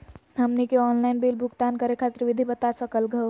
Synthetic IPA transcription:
ɐmnikeɔːnlaɪnbilbʱʊɡt̪ankəɾekʰaːt̪ɾʋɪd̪ʱibət̪asəkəlɡə

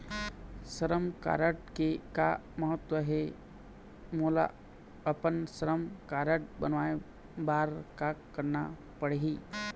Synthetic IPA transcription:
səɾəmka̰ːɾəʈkeka | mɐɦət̪wəɦe | moːla̰ | ɐpənsəɾəmkaːɾəʈ̚bənʋaːe | baːɾkakːəɾna | pəɽeɦiː

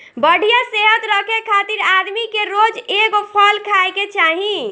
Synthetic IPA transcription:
bəɽ̤ʱijaseɦət̪ɾəkʰekʰat̪iɾad̪mikeɾod͡ʒeɡopʰɔlkʰaeket͡ʃaɦi

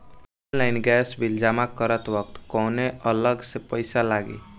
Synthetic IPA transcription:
ɔnlaɪnɡɛsbild͡ʒamakəɾət̪ʋʌkt̪kɔwneələɡsepəjsalaɡḛ

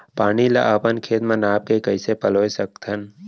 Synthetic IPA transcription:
paːnila̰ʔaːpənkʰeːt̪mãnaːp̚kekəɪsepəloːesək̚t̪ʰən

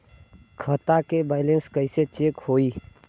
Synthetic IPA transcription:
kʰət̪akebaːɪlenskəɪset͡ʃeːkhoːi

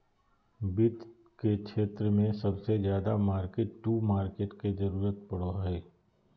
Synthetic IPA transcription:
bɪt̪ | kekʃʰeːt̪ɾəmẽsɐbsezjaːd̪amaːɾkeːʈːuːmaːɾkeːʈked͡ʒɐɾuːɾət̪̚pɐɽoɦɛː

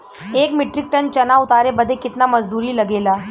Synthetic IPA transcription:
ekmiʈɾik̚ʈənt͡ɕənaut̪aɾebəd̪ʱːekit̪naməd͡zd̪uɾiːləɡela

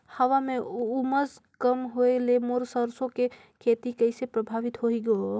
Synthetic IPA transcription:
həʋameuməz | kəmɦoelemoɾsəɾsõke | kʰet̪ikəɪsepɾəbʱaʋit̪ɦoiɡeo

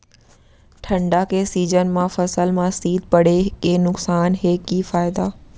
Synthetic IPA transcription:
ʈʰɐ̃ɳɖakʰeːsiːd͡ʑənmãfɐsəlmãsiːd̪̚pɐɽ̤ekenʊksaːnɦeːkifaːɪd̪aː

